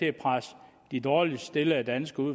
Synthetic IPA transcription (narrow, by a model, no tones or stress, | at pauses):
e̝pʰʁas | d̥id̥ɒːlisd̥e̝ləæd̥ænsɡ̥əuð